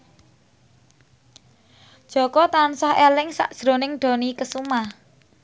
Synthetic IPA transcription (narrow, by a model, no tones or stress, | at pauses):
d̥ʒ̥ɔ̤kɔt̪ansɔhelɪŋsa̰ʔd̥ʒ̥ɾo̤nɪŋɖ̥o̤nikəsumah